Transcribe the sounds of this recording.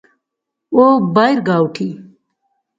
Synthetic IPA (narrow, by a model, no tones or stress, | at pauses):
oːbajɾɡaːwʈʰi